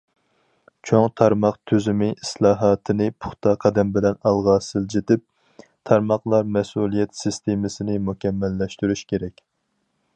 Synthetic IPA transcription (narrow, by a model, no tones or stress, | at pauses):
t͡ʃʰoŋt̪ʰɑɾmɑqt̪ʰøzymɪʔislˠɑːɦɑːt̪ʰɨnɪpʰʊ̥χt̪ʰɑqʰɑd̪ɛmbɪlɛnɑlˠʁɑːsɨlˠd͡ʒet̪ɪp̚ | t̪ʰɑɾmɑχlˠɑɾmɛsulˠijɛt̪sɨst̪ʰemɪsɪnɪmukʲʰɛmːɛlːɛʃt̪yɾyʃkʲeɾɛkʲ